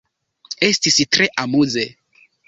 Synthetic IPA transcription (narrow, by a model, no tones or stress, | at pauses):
e̞stistɾe̞ʔamuze